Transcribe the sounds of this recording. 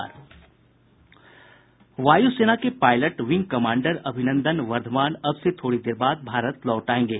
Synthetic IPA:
ɾ | ʋaːjuseːnakepaːɪləʈʋɪ̃ŋɡ̚kɐmãːɳɖəɾɐbʱɪnə̃nd̪ənʋɐɾd̪ʱmaːnɐbset̪ʰoːɽid̪eːɾbaːd̪̚bʱaːɾət̪lɔːʈaːẽːŋɡeː

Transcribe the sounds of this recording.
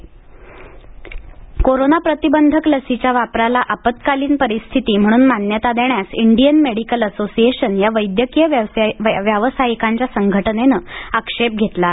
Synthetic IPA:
koɾonapɾət̪ibənd̪ʱəkləsit͡ɕjaʋapɾalaʔapət̪kaliːnpəɾist̪ʰit̪iːm̤əɽ̃uːnmanjət̪ad̪eɳjasiɳɖijənmeɽikələsosieɕənjaʋəjd̪jəkijəʋʋjəʋəsajikaɲt͡ɕjasəŋɡʱəʈənenəːəkʂep̚ɡʱet̪la

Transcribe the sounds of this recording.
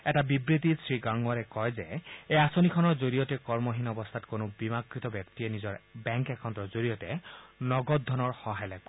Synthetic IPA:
ɛtabibɾit̪isɹiɡaŋɡɔɾekɔjzeeasonikʰɔnɔɹzoɾijɔtɛkɔɹmɔɦinɔbɔst̪ʰatkonobimakɹit̪ɔbjɔkt̪ienizɔɹbɛŋkɛkʰɔnt̪ɔɹzoɾijɔtenɔɡɔd̪ʱːɔnɔɹhɔɦajlɛb̚

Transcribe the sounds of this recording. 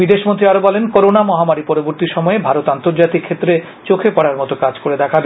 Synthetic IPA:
bid̪eʃmõnt̪ɾiaɾobɔlenkoɾonamɔɦamaɾipɔɾoboɾt̪iɾʃɔmɔebʱaɾot̪ant̪oɾd͡ʑat̪ikʰːet̪ːɾe | t͡ɕokʰepɔɽaɾmɔt̪okad͡ʑkoɾed̪ɛkʰabe

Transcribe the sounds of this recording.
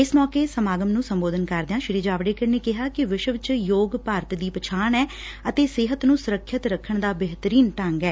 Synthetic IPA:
ɪsmɔːkeːsəmaːɡəmnũːsəmboːd̪ənkəɾd̪eãːʃɪɾiːd͡ʒaːʋɽeːkəneːkɪɦaːkɪʋɪʃəʋt͡ʃjoːɡpaːɾət̪d̪iːpət͡ʃʰaːɳɛː | ət̪eːsɪɦət̪nũːsʊɾəkʰːɪt̪ɾəkʰːəɳd̪aːbeɦt̪ɾiːnʈəŋɡɛː

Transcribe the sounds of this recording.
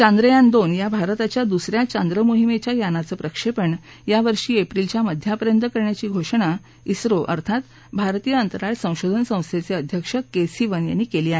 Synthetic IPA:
t͡ɕãnd̪ɾəjand̪onjabʱaɾt̪at͡ɕjad̪usɾjat͡ɕand̪ɾəmoɦimet͡ɕjajanat͡səːpɾəkʂepəɳ | jaʋəɾʂiːepɾilt͡ɕjaməd̪ʱjapəɾjənt̪əkəɾɳjat͡ɕiːɡʱoʂəɳ̃a | isɾoʔə̰ɾt̪ʰat̪ | bʱaɾt̪ijəənt̪əɾaɭsə̃w̃ɕod̪ʱənsə̃w̃st̪ʰjet͡seəd̪ʱjəkʂəkesiʋənja̰nːiːkeliːaɦe

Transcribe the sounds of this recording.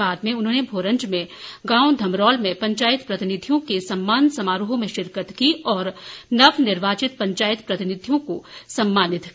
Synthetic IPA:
aːd̪mẽʊnɦõːnebʱoːɾə̃ɲd͡ʒmẽɡãːwd̪ʱɐmɾɔːlmẽpɐ̃ɲt͡ʃaːɪt̪pɾɐt̪ɪnɪd̪ʱijõkesɐmːaːnsɐmaːɾuɦõmẽʃɪɾkət̪kiɔːɾnɐʋnɪɾʋaːt͡ʃɪt̪̚pɐ̃ɲt͡ʃaːjɪt̪pɾɐt̪ɪnɪd̪ʱijõkosɐmːaːnɪt̪

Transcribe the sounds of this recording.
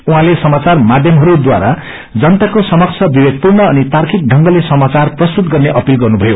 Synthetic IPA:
uɦãlesʌmat͡sarmad̪ʱjʌmɦʌɾud̪wa̰ɾa | d͡zʌnt̪akosʌmʌk̚t͡sʰʌbibeɡ̪̚purnʌːnit̪arkʰik̚ɖʱʌŋɡʌlesʌmat͡sarprʌst̪ut̪ɡʌrneʔʌpilɡʌrnubʱʌjo

